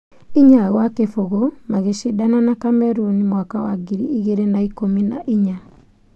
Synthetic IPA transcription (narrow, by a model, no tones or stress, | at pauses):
iɲaɣwakefoɣɔmaɣeʃidananakamɛɾunimwakawaɡiɾiiɣeɾenaikomina̰ʔiɲa